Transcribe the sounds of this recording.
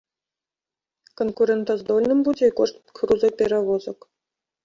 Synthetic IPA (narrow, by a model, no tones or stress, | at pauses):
konkuɾʲent̪ozd̪olʲnɨ̆mbud͡zʲeikoʂt̪kruzɔpʲeɾʲaʋozɤ̆k